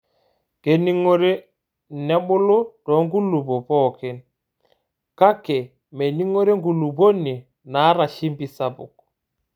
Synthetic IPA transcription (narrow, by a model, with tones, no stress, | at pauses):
ke˨ni˦ŋo˦ɾe˦ | nɛ˦ɓʊ˦lo˦d̥ɔ˨˦ŋɡu˦lu˨bo˨pɔ˦˨kɛ˨n | ka˦kɛ˨ | me˨ni˦ŋo˦ɾe˦ŋɡu˨lu˨bo˦ni˨ | na˨˦ɾa˨ʃi˦mbi˨sa˦bṵ˨k̚